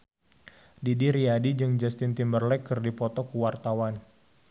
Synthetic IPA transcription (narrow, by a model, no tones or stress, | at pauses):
didiɾiadid͡ʒɨŋd͡ʒast̪ɪnt̪imbərlɛkːɨrdipɔt̪ɔkuwart̪awan